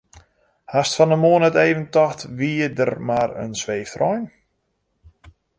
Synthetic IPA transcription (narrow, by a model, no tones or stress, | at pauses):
hastfɔnəmoənəteːvəntɔxtʋiədərmaɾə̰nsʋeːftrɔjn